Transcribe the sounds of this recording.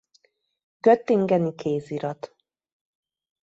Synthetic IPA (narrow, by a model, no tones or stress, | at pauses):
ɡ̥øt̪ːiŋɡɛnikʰeːziɾɒt̪